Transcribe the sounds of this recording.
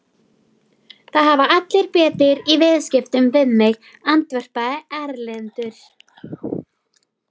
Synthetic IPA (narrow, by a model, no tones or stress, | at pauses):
θaðɦavaʔat̪lɪɾpɛːt̪ɪɾivɪðscɪft̪ʏmvɪðmɪɣ | ant̪vɛr̥paɛɾlɪnt̪ʏɾ̥